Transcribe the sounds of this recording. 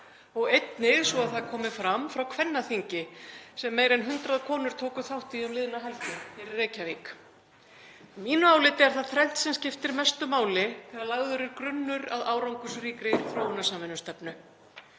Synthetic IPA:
ɔɣejt̪nɪɣsvɔaðθaðkʰɔːmɪfɾamfɾawkʰvɛnːaθiɲcɪsɛmːeːjɾɛnɦʏnt̪ɾaðkʰɔːnʏɾ̥t̪ʰoːwkʏθawht̪iʏmlɪðnaɦajlt̪ɪɛɾrɛːcaviːk | miːnʏaːwlɪːt̪ɛɾ̥θaðθʰɾɛn̥t̪sɛmscɪft̪ɪɾmɛst̪ʏmaːwlɪt̪ʰɪlaɾlaɣðʏɾɪɾkɾʏnːʏɾaðaːwɾawŋkʏsriːkɾɪθɾoːwʏnasamvɪnʏst̪ɛpnʏ

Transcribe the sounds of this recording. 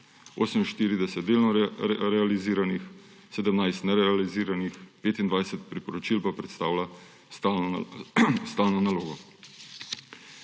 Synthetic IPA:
o̰ːsəminʃt̪iːɾid̪ɛsɛt̪d̪eːlnɔɾɛaliziːɾanix | sɛd̪əmnajst̪nɛɾɛaliziːɾanixpeːt̪ind̪ʋajsɛt̪̚pɾipɔɾɔt͡ʃilpapɾɛt̪st̪aːwla | st̪aːlnɔnaloːɡɔ

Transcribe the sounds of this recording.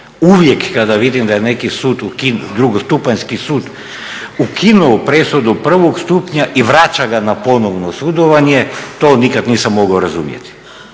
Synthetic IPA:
uʋje̞kːad̪aʋid̪imd̪ajene̞kisuːd̪ukinud̪ɾuɡost̪upaɲskisuːd̪ | ukʰinuopɾesud̪upr̩ʋoɡst̪upɲaʔiʋɾat͡ʃaɡanapo̞noʋnosud̪oʋaɲet̪o̞ːnikad̪niːsamːo̞ɡaoɾazumjḛt̪i̥

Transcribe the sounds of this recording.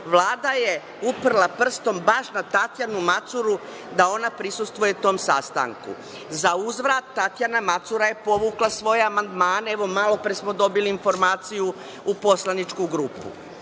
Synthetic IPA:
ʋlˠaːd̪aje̞ | upr̩lˠapr̩st̪o̞mbaʃnat̪at̪janumat̪suɾu | d̪ao̞napɾisust̪ʋuje̞ut̪o̞ːmsast̪a̰ŋkṵ | zauzʋɾat̪ːat̪janamat̪suɾaje̞po̞ʋuːklˠasʋo̞jeamand̪maːne̞ʋo̞malo̞pɾesmo̞d̪o̞biliːnfo̞ɾmaːt̪siju | upo̞slˠanit͡ʃkuɡɾuːpṵ

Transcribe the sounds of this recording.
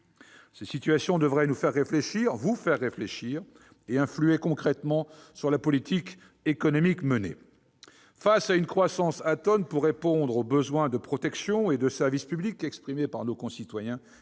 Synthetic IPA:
sesit̪ɥasjɔ̃d̪əvʁɛnufɛʁːefleʃiʁvufɛʁːefleʃiʁ | eɛ̃flyekɔ̃kχɛt̪mɑ̃syʁlapɔlit̪ʰik | ekɔnɔmikmənḛ | fasaynkχwasɑ̃sat̪ɔnpuʁːepɔ̃d̪ʁobəzwɛ̃d̪əpχɔt̪ɛksjɔ̃ed̪əsɛʁvispyblikɛkspχimepaʁnokɔ̃sit̪wajɛ̃

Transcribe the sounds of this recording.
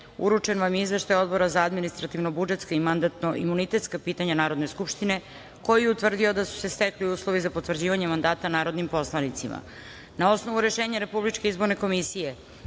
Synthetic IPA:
ṵɾut͡ʂe̞nʋamjeizʋe̞ʃt̪ajo̞d̪bo̞ɾazaad̪minist̪ɾat̪iʋnobud͡ʒe̞t̪skaimand̪at̪no̞ʔimunit̪e̞t̪skapiːt̪aɲanaːɾo̞d̪ne̞skupʃt̪ine̞ | ko̞jieut̪r̩d̪io̞d̪asu̥se̞st̪ekliuːslˠo̞ʋizapo̞t̪ʋr̩d͡ʑiːʋaɲemand̪aːt̪anaːɾo̞d̪nimpo̞slˠanit̪sima̰ | nao̞sno̞ʋuɾe̞ʃe̞ːɲaɾe̞publit͡ʃkeizboɾne̞ko̞misije̞

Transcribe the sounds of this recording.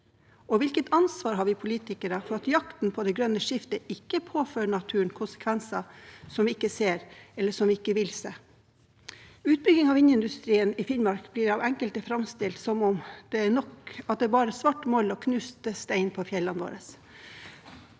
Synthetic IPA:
ɔʋɪlkət̪ɑnsʋɑːɾɦɑːɾʋɪpʰʊliːt̪ɪkəɾəfɔɾɑt̪jɑkt̪n̩pʰɔd̪ɛɡɾœnəʂɪft̪əʔɪkːəpʰoːføːɳɑt̪ʰʉːənkʰʊnsə̥kʰʋɛnsɑsɔmʋɪɪkːəseːɾɛlːəʂɔmʋɪɪkːəʋɪlseː | ʉːt̪̚bɾʏɡɪŋɑʋɪnjəɪnd̪ʉst̪ɾiːənɪfɪnmɑɾkbliːɾɑʋɛŋkəlt̪əfɾɑmst̪ɪlt̪sɔmɔmd̪̥ɛæɳɔkɑt̪̚d̪ɛːbɑːɾəsʋɑʈːmɔlɔkʰnʉːst̪əst̪æɪnpʰɔfjɛlːɑnʋo̰ːɾəs

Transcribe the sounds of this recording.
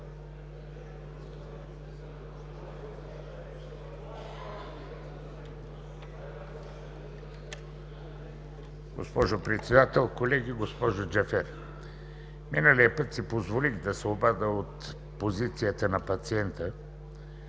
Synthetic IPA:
ɡo̰spɔʒopɾɛt̪sɛd̪at̪ɛlˠkolɛɡiɡospɔʒod͡ʒɛfɛɾ | minəliəpət̪sipozvoliɣd̪ɐsɛobad̪əot̪ | pozit̪sijət̪ənɐpɐt̪siɛnt̪ə

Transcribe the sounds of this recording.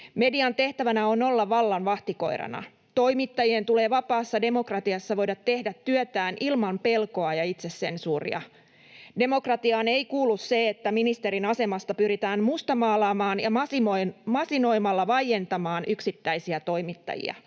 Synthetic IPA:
me̞diɑnt̪e̞ht̪æʋænæo̞no̞lːɑʋɑlːɑnʋɑht̪iko̞̰iɾɑ̰nɑ̰ | t̪o̞imit̪ːɑjient̪ule̞ːʋɑpɑːsːɑde̞mo̞krɑt̪iɑsːɑʋo̞jdɑt̪ːe̞hdæt̪ːyøt̪æːnʔilmɑmpe̞lko̞ɑjɑit̪se̞ssensuːrḭɑ̰ | de̞mo̞krɑt̪iɑːneikuːlːusse̞et̪ːæminist̪e̞ɾinɑse̞mɑst̪ɑpyɾit̪æːmmust̪ɑmɑːlɑːmɑːnjɑmɑsimomɑsino̞jmɑlːɑʋɑjje̞nt̪ɑmɑːnʔyksit̪ːæijsiæt̪o̞ijmit̪ːɑ̰jḭɑ̰

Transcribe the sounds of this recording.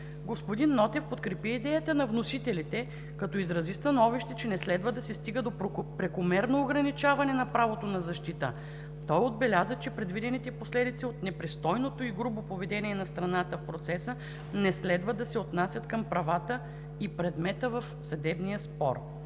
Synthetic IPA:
ɡospod̪inːɔt̪ɛfpot̪kɾɛpiid̪ɛjət̪ənɐvnosit̪ɛlit̪ɛ | kɐt̪ɔizɾɐzist̪ɐnɔviʃt̪ɛt͡ʃɛnɛslɛd̪vəd̪ɐsɛst̪iɡəd̪opɾɛkomɛɾnoːɡɾɐnit͡ʃavɐnɛnɐpɾavot̪onɐzɐʃt̪it̪ə̰ | t̪ɔjod̪̚bɛlʲazət͡ʃɛpɾɛd̪vid̪ɛnit̪ɛposlɛd̪it̪siot̪nɛpɾist̪ɔjnot̪oiɡɾubopovɛd̪ɛniɛnɐst̪ɾɐnat̪əfpɾot̪sɛsə | nɛslɛd̪vəd̪ɐsɛot̪nasʲjɐt̪kɐmpɾɐvat̪ə | ipɾɛd̪mɛt̪əvɐfsɐd̪ɛbnijəspɔ̰ɾ

